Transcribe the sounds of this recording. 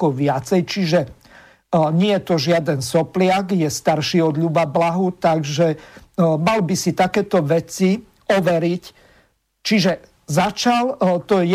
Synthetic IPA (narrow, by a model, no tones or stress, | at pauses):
kɔʋɪat͡sɛjt͡ʃiʒɛ | ɲɪɛjɛt̪ɔʒɪad̪ɛnsɔplɪaɡjɛst̪aɾʃiɔd̪ʎubablaɦut̪aɡʒɛ | malbisit̪akɛːt̪ɔʋɛt͡si | ɔʋɛɾic | t͡ʃiʒɛ | zat͡ʃalt̪ɔj